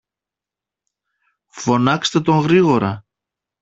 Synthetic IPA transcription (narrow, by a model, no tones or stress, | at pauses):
fo̞nɐkst̪e̞t̪o̞ŋɣɾiɣo̞ɾɐ